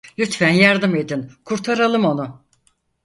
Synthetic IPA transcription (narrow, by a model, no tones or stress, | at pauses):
lʲyt̪fænjaɾd̪ɯme̞d̪inkʰuɾt̪ʰaɾalˠɯmo̞nu